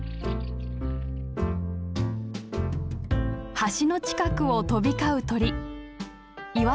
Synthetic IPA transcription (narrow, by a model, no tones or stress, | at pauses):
haɕino̞t͡ɕi̥kakɯ̟o̞t̪o̞bʲikaɯ̟t̪o̞ɾʲi | iβa